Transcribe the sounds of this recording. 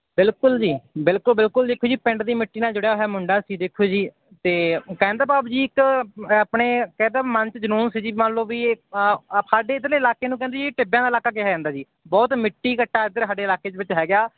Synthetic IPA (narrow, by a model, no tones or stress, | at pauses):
bɪlkʊld͡ʒiːbɪlkʊlbɪlkʊld̪ɪkʰːoːd͡ʒiːpɛ̃ɳɖd̪iːmɪʈːiːnaːd͡ʒoɽjaːoɦɛːmʊɳɖaːsiːd̪eːkʰːoːd͡ʒiː | t̪eːkɛ̃ːnd̪aːbaːbd͡ʒiːɪkapɳeːkɛ̃ːnd̪aːmənt͡ʃd͡ʒənuːnsiːd͡ʒiːmənloːbiː | saːɖeːɪd̪ɾleːɪlaːkeːnũːkɛ̃ːnd̪eːd͡ʒiʈɪbjãːd̪aːɪlaːkaːkɪɦaːd͡ʒãːnd̪aːd͡ʒiː | bɔːt̪mɪʈːiːkəʈːaːɪd̪əɾsaːɖeːɪlaːkeːdʋɪt͡ʃɦɛːɡɪjaː